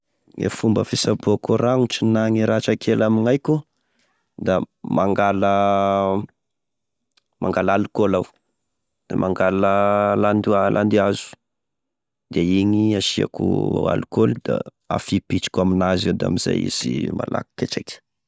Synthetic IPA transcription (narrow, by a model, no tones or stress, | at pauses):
ḛfumbəfisaboakoraŋut͡ʃinaŋiɾaʈ͡ʂakʰelamiŋajkʲu | d̪amaŋɡalə | maŋɡalalukolaw | d̪̥emʔaŋɡaləland̪ialʔa̰nd̪iazu̥ | d̪̥eiɲiaʃia̰kṵa̰lukolid̪a̰ | a̰fipit͡ʃi̥kʲaminazed̪a̰miz̥a̰jḭz̥ima̰lʔa̰ku̥ket͡ʃakʲə̥